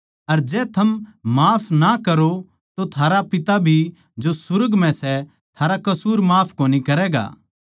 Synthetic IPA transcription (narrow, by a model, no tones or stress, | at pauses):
ɐɾd͡ʒɛːt̪ʰɐmmaːpʰnakɐɾo | t̪ot̪ʰaːɾapɪt̪abʱi | d͡ʒosʊɾəɡmɛ̃sɛ | t̪ʰaːɾakɐsuːɾmaːpʰkoːnikɐɾɛːɡa̰ː